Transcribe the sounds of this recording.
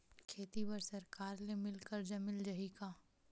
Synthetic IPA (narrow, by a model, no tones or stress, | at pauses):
kʰeːt̪ibɐɾsɐɾkaːɾlemɪlkəɾd͡ʒɐmɪld͡ʒɐɦikaː